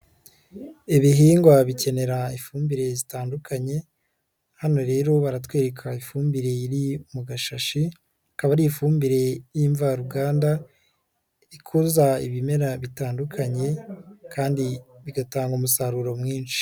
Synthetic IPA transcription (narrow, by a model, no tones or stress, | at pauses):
iβiɦiːŋɡwaβice̞ne̞ɾaifuːmbiɾe̞zitaːndukʰaɲe̞ | hano̞ɾe̞ːɾo̞βaɾatwe̞ːɾekʰaifuːmbiɾe̞iɾiumuɡaʃaʃi | akaβaɾiːfuːmbiɾe̞jiːɱvaɾuɡaːnda | ikʰuzaiβime̞ɾaβitaːndukʰaɲe̞kʰaːndiβiɡataːŋɡomusaɾuɾo̞mŋiːnʃi̥